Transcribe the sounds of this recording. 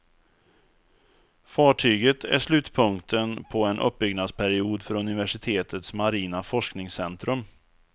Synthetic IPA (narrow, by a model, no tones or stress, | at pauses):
fɑːʈʰyːɡət̪ʰæ̰ʂlʉ̟ːt̪pʰɵŋkt̪ʰənpʰɔɛnʔɵ̰p̚ːbʏɡnad̪spʰæɾɪuːd̪fœɾɵnɪvæʂɪt̪ʰeːt̪ʰət̪smaɾiːnafɔʂknɪŋsɛnt̪ɾɵm